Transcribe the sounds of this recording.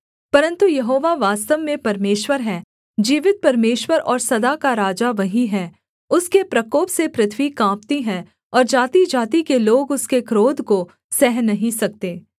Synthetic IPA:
pɐɾə̃nt̪ujɐɦoːʋaʋaːst̪əʋmẽpɐɾmeːʃwəɾɦɛ | d͡ʒiːʋɪt̪̚pɐɾmeːʃwəɾɔːɾsɐd̪akaɾaːd͡ʒaʋɐɦiɦɛ | ʊskepɾɐkoːpsepɾɪt̪ʰʋikãːp̚t̪iɦɛ̃ | ɔːɾd͡ʒaːt̪id͡ʒaːt̪ikeloːɡʊskekɾoːd̪ʱko | sɛɦnɐɦĩsɐk̚t̪eː

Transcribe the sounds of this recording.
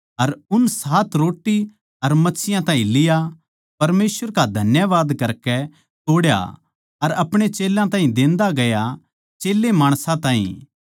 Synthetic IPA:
ɐɾʊnsaːt̪ɾoːʈːi | ɐɾmɐtːsɪjãt̪ãːɦĩlɪja | pɐɾmeːsʋəɾkad̪ʱɐnjəʋaːd̪kɐɾkɛ | t̪oːɽja̰ | ɐɾɐpɽ̃et͡ʃeːlãt̪ãːɦĩd̪ẽːnd̪aɡɐja | t͡ʃeːlːemaːɽ̃sãt̪ãːɦḭ̃

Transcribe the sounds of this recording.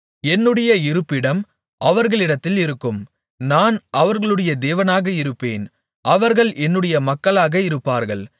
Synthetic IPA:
ɛnːɯɽɐjɐɪɾɯpːɪɽɐm | ʔɐʋɐɾɣɐɭɪɽɐt̪ːɪlɪɾɯkːɯm | naːnʔɐʋɐɾɣɐɭɯɽɐjɐd̪eːʋɐnaːɣɐɪɾɯpːḛːn | ʔɐʋɐɾɣɐɭʔɛnːɯɽɐjɐmɐkːɐɭaːɣɐɪɾɯpːaːɾɣɐɭ

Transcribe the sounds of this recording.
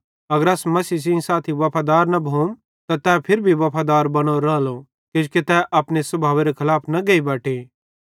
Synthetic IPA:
ɐɡəɾɐːsmɐsiːs̬ĩsaːt̪ʰiʋɐpʰaːd̪aːɾnɐbʱoːm | t̪at̪ɛpʰɪɾbʱiʋɐpʰaːd̪aːɾbɐɽ̃oɾɐlo | kod͡ʒket̪ɛʔɐpɽ̃esɐbʱaːʋeɾekʰɐlaːpʰnɐɡɐibaːʈʰeː

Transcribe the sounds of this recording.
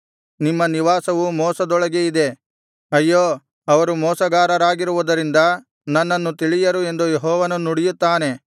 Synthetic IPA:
nimːɐniʋaːsɐʋumɔːsɐd̪ɔɭɐɡeid̪e̞ | ɐjːoː | ɐʋɐɾumɔːsɐɡaːɾɐɾaːɡiɾuʋud̪ɐɾind̪ɐ | nɐnːɐnːut̪iɭijɐɾue̞nd̪ujeɦɔːʋɐnɐuɽijut̪ːaːne̞

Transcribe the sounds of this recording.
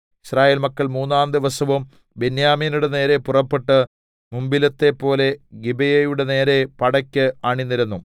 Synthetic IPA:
iɕraːjeːlmɐkːɐɭmuːnːaːnd̪iʋɐsɐʋum | benjaːmiːnuɽe̞ne̞ːɾe̞purɐpːeʈːɨ | mumbilɐt̪ːe̞pːo̞ːle̞ɡibɐjɐjuɽe̞ne̞ːɾe̞pɐɽɐkʲːɨaːɳinːiɾunːu

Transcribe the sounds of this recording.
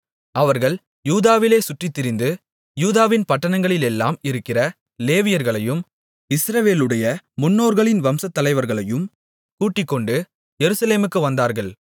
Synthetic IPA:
ʔɐʋɐɾɣɐɭ | juːðaːʋɪleːsʊʈrɪt̪ːɪɾɪnd̪ɯ | juːðaːʋɪnpɐʈːɐnɐŋɡɐɭɪlɛlːa̰ːmɪɾɯkːɪrɐ | leːʋɪjɐɾɣɐɭɐjɯm | ɪsɾɐʋeːlɯɽɐjɐmʊnːoːɾɣɐɭɪnʋɐmsɐt̪ːɐlɐɪʋɐɾɣɐɭɐjɯm | kuːʈːɪkːɔɳɖɯ | jɛɾɯsɐleːmɯkːɯʋɐnd̪aːɾɣɐɭ

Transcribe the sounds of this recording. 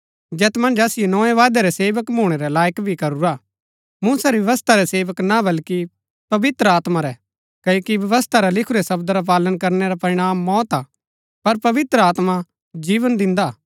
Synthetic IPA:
d͡ʒɛːt̪mɐ̃nd͡ʒaːsɪjonɔːẽʋaːd̪eɾɛseːʋəkmʱuːɽ̃ɛɾɛlaːjəkbʱikɐɾuɾa | mũːsaɾijɐʋəst̪ʰaɾɛseːʋəknabɐlki | pɐʋɪt̪ɾəaːt̪maɾɛ | kɐjokiʋjɐʋəst̪ʰaɾalɪkʰuɾɛsɐbd̪ɾap̬aːlənkɐɾnɛɾapɐɾɪɽ̃aːmːɔːt̪a | pɐɾpɐʋɪt̪ɾəaːt̪ma | d͡ʒiːʋənd̪ɪ̃nd̪a

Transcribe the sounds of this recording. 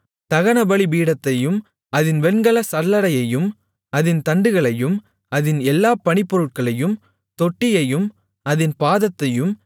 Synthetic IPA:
t̪ɐɣɐnɐbɐɭibiːɽɐt̪ːɐjɯm | ɐðɪnʋɛɳɡɐɭɐsɐɾlːɐɽɐjɐjɯm | ɐðɪnt̪ɐɳɖɯɣɐɭɐjɯm | ɐðɪnɛlːaːpɐɳɪpːɔɾɯʈ̚kɐɭɐjɯm | t̪ɔʈːɪjɐjɯm | ɐðɪnpaːðɐt̪ːɐjɯm

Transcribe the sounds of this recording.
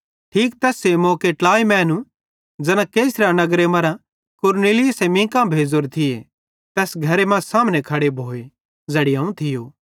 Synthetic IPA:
ʈʰiːkt̪ɛːsemoːkeʈlaːimɛ̃ːnũ | d͡zɐnãkeːsɾanɐɡɾemɐɾã | kʊɾneːlɪjʊsemĩːkãbʱeːd͡zoɾt̪ʰɪḛ | t̪ɛːsɡʱɐɾemãsaːmnekʰɐɽebʱoːe | d͡zɐːɽiɐːũt̪ʰɪjoː

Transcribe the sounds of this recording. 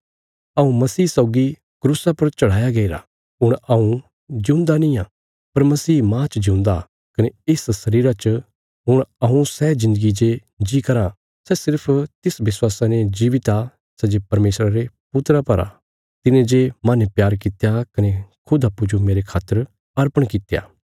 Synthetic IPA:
ɐũmɐsiːsɔːʊɡi | kɾuːsapɐɾt͡ʃɐɽ̤aːjaɡɐiɾa̰ | ɦʊɽ̃ɐũ | d͡ʒɪ̃ʊ̃nd̪anĩaː | pɐɾmɐsiːmãːt͡ʃd͡ʒɪʊ̃nd̪a | kɐneeːssɐɾiːɾat͡ʃ | ɦʊɽ̃ɐũsɛːd͡ʒɪ̃nd̪əɡid͡ʒe | d͡ʒikɐɾã | sɛsɪɾpʰt̪ɪsʋɪswaːsaned͡ʒiːʋɪt̪a | sɛd͡ʒepɐɾmeːsɾaɾe | pʊt̪ɾapɐɾa̰ | t̪ɪnẽd͡ʒemanepjaːɾkɪt̪jakɐnekʰʊd̪apʊd͡ʒomeːɾekʰaːt̪ːəɾ | ɐɾpəɽ̃kɪt̪ja̰ː

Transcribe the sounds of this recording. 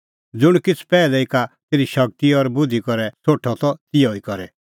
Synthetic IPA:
d͡zʊɽ̃kɪt͡sʰpɛːlɛikat̪eːɾiʃɐk̚t̪iɔɾbʊd̪ʱikɔɾɛsʰoːʈʰɔt̪ɔt̪ɪjɔikɔɾɛ

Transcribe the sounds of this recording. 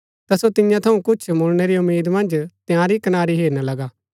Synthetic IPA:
t̪asot̪ɪjãt̪ʰɐũkʊt͡ʃʰmʊːneɾiʊmːiːd̪mɐ̃nd͡ʒt̪jãːɾikɐnaːɾiɦeːɾnalɐɡaː

